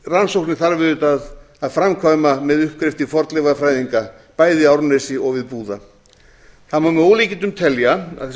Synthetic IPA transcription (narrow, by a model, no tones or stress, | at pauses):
ransowknɪθaɾvɪðʏt̪að | aðfɾamkʰvajmamɛðʏhp̚kɾɪft̪ɪfɔɾt̪lɛvaðfɾaːjðiŋka | paːjðɪawɾnɛsɪɔɣvɪðpuːða | θamamowlicɪnt̪ʏmt̪ʰɛlja